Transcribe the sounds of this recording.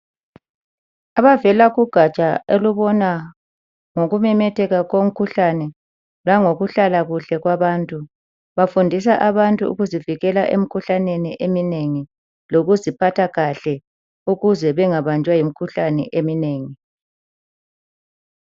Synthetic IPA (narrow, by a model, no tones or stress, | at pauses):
aβavɛlaɣuɡ̥ʱat͡ʃʼaeluβɔna | ŋoɣumɛmɛtʰɛɣaɣom̩kʰuɬanɛ | laŋoɣuɬalaɣuɬɛɣwaβantʼu | βafundʱis̬aʔaβantʼuṵɣuziviɣɛlaʔḛmikʰuɬaneniʔemineŋi | loɣuzipʰatʰaɣaɬɛ | uɣuzɛβɛŋaβand͡ʒʱwajimikʰuɬanɛ̰ʔemineːŋi